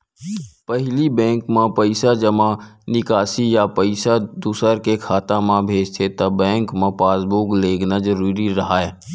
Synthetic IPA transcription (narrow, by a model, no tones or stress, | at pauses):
pəɦlibɛ̃ːŋkmãpəɪsad͡ʒəmãnɪkaːsijapəɪsad̪usəɾkekʰaːt̪ãmãbʱeːd͡ʒt̪ʰet̪ɐbːɛ̃ːŋkmãpaːsbuːkleːɡnad͡ʒəɾuːɾiɾɐɦaːɛː